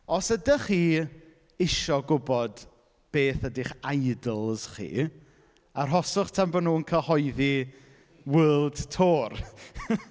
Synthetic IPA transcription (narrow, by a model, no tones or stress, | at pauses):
ɔsədəχiː | ɪʃɔɡʊbɔd | b̥eːθədɪχajdəlˠz̥χḭː | arɦɔsʊχtʰambɔnuːənkʰəhɔjði | wəːlˠd̥tʰoːr